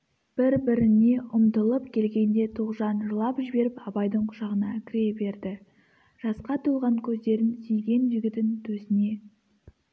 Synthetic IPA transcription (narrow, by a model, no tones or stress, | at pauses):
b̥ɪɾbɪɾɪne̞ʔʊmt̪əlˠəpkʲʰe̞lɡʲe̞nd̪e̞t̪ʰuʁʒɑnʒəlˠɑpʒɪbe̞ɾɪpɑbɑjd̪əɴqʰʊ̥ʒɑʁənɑkʲʰɪɾe̞be̞ɾd̪ɪ | ʒ̥ɑsqɑt̪ʰuʁɑŋkʲʰɵzd̪e̞ɾɪnsijɡʲe̞nʒɪɡʲɪt̪ɪnt̪ʰɵsɪne̞